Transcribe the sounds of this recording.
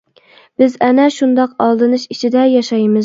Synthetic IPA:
b̥ɪzɛnɛʃund̪ɑqɑlˠd̪ɨnɨʃit͡ʃʰid̪ɛjɑʃɑjmɨz

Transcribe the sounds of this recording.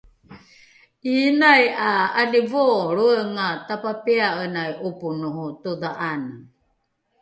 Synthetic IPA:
inajaːdivoɾuəŋatapapeaənajʔupunuɦut̪oðaʔan

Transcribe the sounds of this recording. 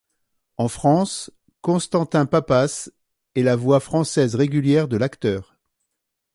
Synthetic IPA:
ɑ̃fχɑ̃s | kɔ̃st̪ɑ̃t̪ɛ̃papas | ɛlavwafχɑ̃sɛzʁeɡʲyljɛʁd̪əlakt̪œːʁ

